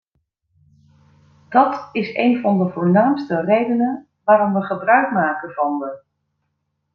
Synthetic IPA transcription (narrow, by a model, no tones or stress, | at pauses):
d̥ɑtɪsejnvɑndəvʊːɹnaːmstərejdənən | ʋaːɾɔmʋəχəbrœɥkmaːkənvɑnʋə